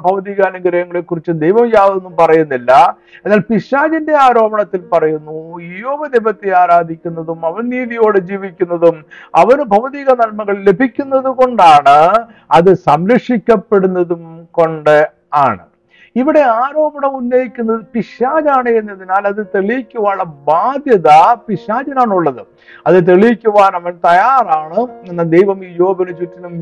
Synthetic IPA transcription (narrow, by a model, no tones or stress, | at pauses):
bʱɐʋɐðiːɣaːnuɡɐɾɐjɐŋːɐɭekːurit͡ɕːɨd̪ejʋɐmjaːðɐonːumpɐrɐjunːilːɐ | e̞nːaːlpiɕaːd͡ʑinde̞aːɾo̞ːbɐɳɐt̪ːilpɐrɐjunːuijoːʋɐd̪ebɐt̪ːeaːɾaːd̪ʱikʲːunːɐðumɐʋɐnniːðijo̞ːɽɨd͡ʑiːʋikʲːunːɐðumɐʋɐnbʱɐʋɐðiːɣɐnɐlmɐɣɐɭle̞bʱikʲːunːɐðuɣo̞ɳɖaːɳɨ | ɐðɨsɐmɾɐkʂikʲːɐpːe̞ɽunːɐðumko̞ɳɖɨ | aːɳɨ̰ | iʋiɽe̞aːɾo̞ːbɐɳɐmunːɐjikʲːunːɐðɨpiʂaːd͡ʑaːɳɨenːɐðinaːlɐðɨt̪eɭijikʲːuʋaːɭɐbaːd̪jɐðɐpiʂaːd͡ʑɐnaːɳuɭːɐðɨ | ɐðɨt̪̬eɭijikʲːuʋaːnɐʋɐnt̪ɐjaːraːɳɨenːɐd̪ejʋɐmijo̞ːbʱɐnut͡ɕutːinum